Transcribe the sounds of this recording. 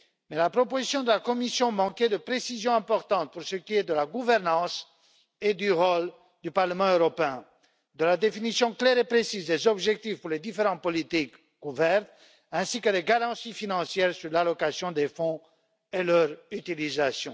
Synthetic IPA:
mɛlapχɔpozisjɔ̃d̪əlakɔmisjɔ̃mɑ̃ked̪əpχesizjɔ̃ɛ̃pɔʁt̪ɑ̃t̪̚puʁsəkʲiɛd̪əlaɡuvɛʁnɑ̃s | ed̪yʁɔl | d̪ypaʁləmɑ̃øʁɔpeɛ̃ | d̪əlad̪efinisjɔ̃klɛʁepχesizd̪ezɔbʒɛk̚t̪ifpuʁled̪ifeʁɑ̃t̪̚pɔlit̪ikː | uvɛʁt̪ | ɛ̃sikəd̪eɡaʁɑ̃sifinɑ̃sjɛʁsyʁlalɔkasjɔ̃d̪efɔ̃ | elœʁyt̪ilizasjɔ̃

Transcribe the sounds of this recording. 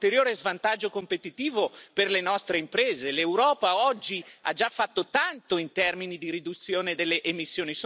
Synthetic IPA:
t̪eɾjoːɾezvant̪ad͡ʒːokompet̪it̪iːvoperlenɔst̪ɾeimpɾeːzelewɾɔːpaɔd͡ʒːia̰d͡ʒafːat̪ːot̪ant̪oint̪ɛrminid̪iɾid̪ut̪sːjoːned̪elːeʔemisːjoːnis

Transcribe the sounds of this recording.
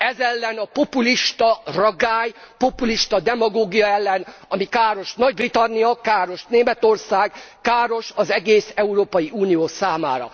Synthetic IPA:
ɛzɛlːɛnɒpo̞puliʃt̪ɒrɒɡaːjpo̞puliʃt̪ɒd̪ɛmɒɡoːɡijɒɛlːɛnɒmikaːɾo̞ʃnɒɟbrit̪ɒnːijɒkaːɾo̞ʃneːmɛt̪o̞rsaːɡkaːɾo̞ʃɒzɛɡeːsɛuɾoːpɒjiʔuːnijoːsaːma̰ːɾɒ̰

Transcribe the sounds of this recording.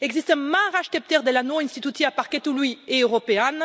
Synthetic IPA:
ɛɡzist̪ə̃maʁaʃt̪ɛp̚t̪ɛʁd̪elanwoɛ̃nst̪it̪ut̪iapaʁket̪ulwieøʁɔpean

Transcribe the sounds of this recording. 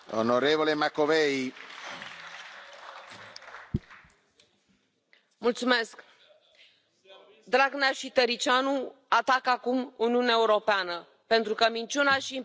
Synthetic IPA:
o̰noɾevolemakːovej | mult̪sume̞sk | d̪ɾaɡneaʃit̪eɾit͡ʃanuat̪akakumuniuneaeuɾo̞peanə | pe̞nt̪ɾukəmint͡ʃunaʃi

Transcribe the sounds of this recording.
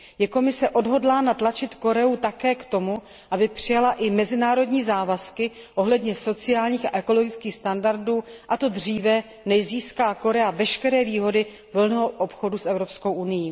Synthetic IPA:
jɛko̞mɪsɛʔo̞dɦo̞dlaːnat̪lat͡ʃɪt̪ko̞ɾɛut̪akɛːkt̪o̞mu | ʔabɪpr̝̥ɪjalaʔɪmɛzɪnaːɾo̞dɲiːzaːvaskɪʔo̞ɦlɛdɲɛso̞t͡sɪjaːlɲiːxa̰ʔɛko̞lo̞ɡɪt͡skiːxst̪andaɾduːʔat̪o̞dr̝iːvɛ | nɛjziːskaːko̞ɾɛavɛʃkɛɾɛːviːɦo̞dɪ | vl̩nɛɦoʔopxo̞dusɛvɾo̞psko̞wʔunɪjiː

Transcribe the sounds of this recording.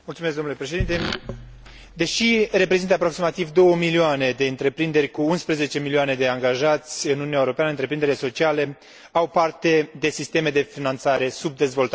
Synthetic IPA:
mult̪sumeskd̪omnulepɾeʃe̞d̪int̪e̞ | d̪e̞ʃiɾe̞p̬ɾezint̪əapɾo̞ksimat̪ivd̪o̞wəmilioane̞d̪e̞ɨnt̪ɾe̞pɾind̪e̞rʲkuunspɾeze̞t͡ʃe̞milioane̞d̪e̞aŋɡaʒat̪sʲɨnununjaewoɾopeanəɨnt̪ɾe̞pɾind̪eɾile̞so̞t͡ʃiale̞ | awpart̪e̞d̪e̞sist̪eme̞d̪e̞finant̪saɾe̞sub̚d̪e̞zvo̞lt̪a

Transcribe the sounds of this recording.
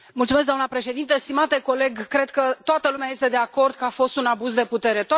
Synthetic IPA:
mult̪sumesɡd̪oamnəpɾe̞ʃe̞d̪int̪əst̪imat̪e̞ko̞le̞ɡkɾe̞d̪kət̪oat̪əlumeaje̞st̪e̞d̪e̞ako̞rd̪̚kəafo̞st̪unabuzd̪e̞put̪e̞ɾe̞t̪

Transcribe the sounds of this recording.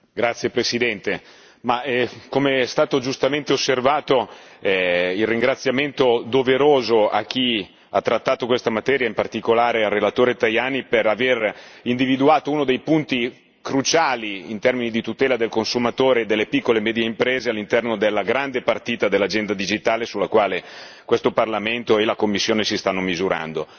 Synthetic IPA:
ɡɾat̪sːjepɾesid̪ɛnt̪e | maɛkomest̪aːt̪od͡ʒust̪ament̪eosːervaːt̪oɛilrːiŋɡɾat̪sːjament̪od̪oveɾoːzoa̰k̟ːi | at̪ːɾat̪ːaːt̪okwest̪amat̪ɛːɾjaimpart̪ikolaːɾearːelat̪oːɾet̪ajaːniperaverind̪ivid̪uaːt̪ouːnod̪ejpunt̪i | kɾut͡ʃaːliint̪ɛrminid̪it̪ut̪ɛːlad̪elkonsumat̪oːɾed̪elːepikːolemɛːd̪jeimpɾeːzealːint̪ɛrnod̪elːaɡɾand̪epart̪iːt̪ad̪elːad͡ʒɛnd̪ad̪id͡ʒit̪aːlesulːakwaːle | kwest̪oparlament̪oelakomːisːjoːnesist̪anːomizuɾa̰nd̪o

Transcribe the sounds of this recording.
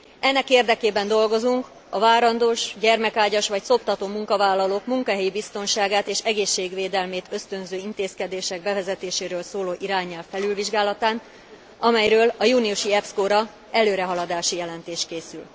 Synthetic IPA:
ɛnːɛkeːrd̪ɛkeːbɛnd̪o̞lɡo̞zuŋk | ɒvaːɾɒnd̪oːʃɟɛrmɛkaːɟɒʃʋɒcso̞p̚t̪ɒt̪oːmuŋkɒvaːlːɒloːkmuŋkɒɦɛjibist̪o̞nʃaːɡaːt̪eːʃɛɡeːʃːeːɡʋeːd̪ɛlmeːt̪ʰø̞st̪ø̞nzøːint̪eːskɛd̪eːʃɛɡ̚bɛvɛzɛt̪eːʃeːɾøːlsoːloːʔiɾaːɲːɛlfːɛlylviʒɡaːlɒt̪aːn | ɒmɛjɾøːlɒjuːniuʃiɛpskoːɾɒ | ɛløːɾɛɦɒlɒd̪aːʃijɛlɛnt̪eːʃkeːsyl

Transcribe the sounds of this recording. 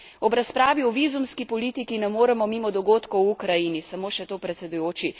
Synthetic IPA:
ɔbɾaspɾaːʋiɔʋiːzumskipɔliːt̪ikinɛmoːɾɛmɔmiːmɔd̪ɔɡoːt̪kɔwukɾajinisɐmoːʃɛt̪oːpɾɛt̪sɛd̪ujoːt͡ʃi

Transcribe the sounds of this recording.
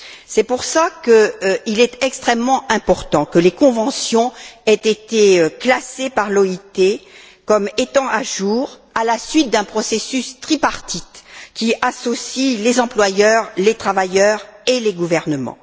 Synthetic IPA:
sɛpuʁsakəilɛt̪ɛkst̪χɛmːɑ̃ʔɛ̃pɔʁt̪ɑ̃kəlekɔ̃vɑ̃sjɔ̃ɛt̪et̪eøklasepaʁlɔit̪e | kɔmet̪ɑ̃ʔaʒuʁalasɥit̪̚d̪ɛ̃pχɔsesyst̪χipaʁt̪it̪kʲiasɔsilezɑ̃plwajœʁlet̪χavajœʁeleɡuvɛʁnəmɑ̰̃

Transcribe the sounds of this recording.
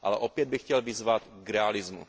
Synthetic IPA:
ʔa̰lɛʔo̞pjɛd̪̚bɪxcɛlvɪzvat̪kɾɛalɪzmṵ

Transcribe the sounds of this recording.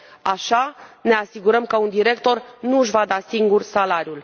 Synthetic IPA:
aʃane̞asiɡuɾəmkəund̪iɾe̞k̚t̪o̞rnuʃvad̪asiŋɡursalaɾʲjul

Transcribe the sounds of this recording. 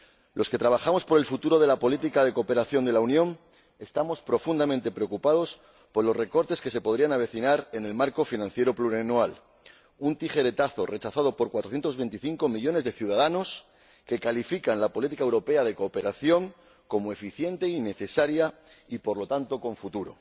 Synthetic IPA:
lʔo̞ske̞t̪ɾaβ̞axamo̞spo̞ɾe̞lfut̪uɾo̞ðe̞lapo̞lit̪ikaðe̞ko̞ːpe̞ɾaθjo̞nd̪e̞launjõ̞n | e̞st̪amo̞spɾo̞fund̪amẽ̞nt̪e̞pɾe̞o̞kupað̞o̞s | po̞ɾlo̞sre̞ko̞ɾt̪e̞ske̞se̞po̞ðɾianaβ̞e̞θinaɾe̞ne̞lmaɾko̞finãnθje̞ɾopluɾenwal | unt̪ixe̞ɾe̞t̪aθo̞re̞t͡ʃaθaðo̞po̞ɾkwat̪ɾoθjent̪ozβe̞nt̪iθiŋko̞miʎo̞ne̞zðe̞θjuð̞aðano̞s | ke̞kalifikanlapo̞lit̪ikaewɾo̞pe̞að̞e̞ko̞ːpe̞ɾaθjo̞ŋ | ko̞moe̞fiθje̞nt̪e̞ine̞θe̞saɾja | ipo̞ɾlo̞t̪ant̪o̞ko̞ɱfut̪uɾo̞̰

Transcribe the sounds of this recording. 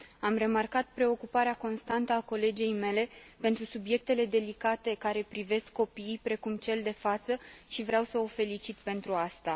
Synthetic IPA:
amre̞markat̪pɾe̞o̞kupaɾeako̞nst̪ant̪əako̞le̞d͡ʒejme̞le̞pe̞nt̪ɾusubje̞k̚t̪e̞le̞d̪e̞likat̪e̞kaɾe̞pɾive̞skʰːo̞piːjpɾe̞kumt͡ʃe̞ld̪e̞fat̪səʃivɾeawsəo̞fe̞lit͡ʃit̪pe̞nt̪ɾuast̪a

